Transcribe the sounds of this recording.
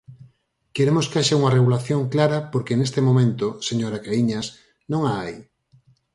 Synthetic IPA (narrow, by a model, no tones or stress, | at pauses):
keɾemoskeaʃauŋɐreɣulaθjoŋklaɾɐpoɾkenest̪emomẽnt̪oseɲoɾakaiɲas | nõŋaaj